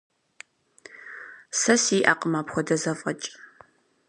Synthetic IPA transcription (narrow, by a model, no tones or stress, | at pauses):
sɐsiːʔaːqəmaːpxʷɔdɐzɐfʼɐt͡ʃʼ